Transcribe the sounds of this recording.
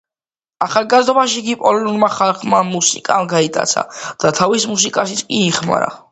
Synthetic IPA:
aχalˠɡazd̪ɔbaʃikipʼɔlɛnuɾmaχalˠχmamusikʼamɡait̪ʼa̰t̪sʰa̰d̪̥at̪ʰavismus̬ikʼaʃit̪sʰkʼiːχma̰ɾa̰

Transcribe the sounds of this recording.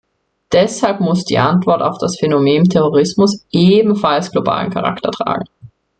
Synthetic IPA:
d̥ɛshalpmʊsd̥ḭːʔantv̥ɔɐta̰ʊfd̥asfenomeːntʰɛʁoʁɪsmʊsʔeːbm̩falsɡ̥loba̰ːlə̰n̩kʰaʁa̰ktɐtʁ̥a̰ːɡŋ̩

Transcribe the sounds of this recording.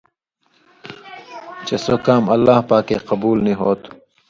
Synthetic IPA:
t͡ɕesokaːmɐlːaːhpaːkeːqɐbuːlniɦoːt̪

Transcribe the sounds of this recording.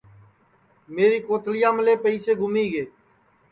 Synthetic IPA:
meːɾiːkoːt̪lɪjãːməleːpəiːseːɡʱʊmiːɡeː

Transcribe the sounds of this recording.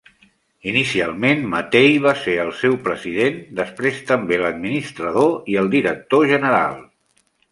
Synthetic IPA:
inisialˠmenmət̪ejβaseəlˠsɛwpɾəziðend̪əspɾest̪əmbeləd̪minist̪ɾəðoiəlˠd̪iɾək̚t̪oʒənəɾa̰lˠ

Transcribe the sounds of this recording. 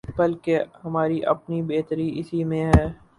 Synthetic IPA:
bɐlkeɦɐmaːɾiʔɐ̰pnibeːt̪əɾiɪsimẽɦɛː

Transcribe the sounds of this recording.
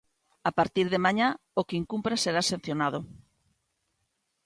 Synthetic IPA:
apaɾt̪iɾðemaɲa | okiŋkumpɾaseɾasen̟θjonað̞ʊ

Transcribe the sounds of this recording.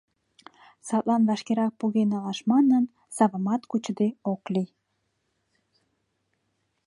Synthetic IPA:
sɑt̪lɑnβɑʃkeɾɑk̚puɣenɑlɑʃmɑnən | sɑβə̆mɑt̪kut͡ɕəd̪eokli

